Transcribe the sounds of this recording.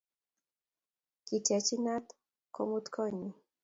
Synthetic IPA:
ki˨ta˨t͡ʃi˦na˦t̪ | kɔ̰˦mu˦t̪kʰɔ˦ɲi˨

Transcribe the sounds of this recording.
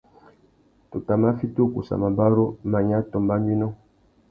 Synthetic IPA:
to˨ta˨ma˦fi˦tu˦˨kṵ˨sa̰˨ma˨ba˦ɾo˦ma˨ɲa˦tɔ˨mba˦mi˦nɔ˦

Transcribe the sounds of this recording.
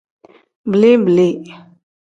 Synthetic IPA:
bə˨le˦bə˨le˦˨

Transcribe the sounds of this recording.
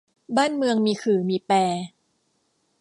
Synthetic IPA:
baː˥˩nmɯ˧əŋmiː˧kʰɯː˨˩˦miː˧pɛː˧

